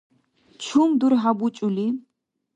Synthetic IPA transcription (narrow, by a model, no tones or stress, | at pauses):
t͡ʃʰumd̪uɾɦabut͡ʃʼuli